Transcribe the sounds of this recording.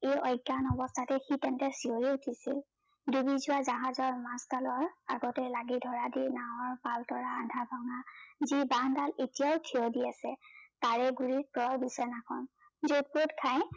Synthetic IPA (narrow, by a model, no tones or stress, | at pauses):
ejɔjɡanɔbɔstʰatɛxitɛntɛɹsioɹiutʰisil | dubizʊwazaɦazɔɹmastalɔɹa̰ɡɔtɛlaɡidʱɔɹadinaɔɹpaltɔɹaːdʱabʱɔŋazibandaletijawtʰiɔdiasɛtaɹɛɡuɹiɹ̚pɔɔɹbisɔnakʰɔn | zod̚potkʰaj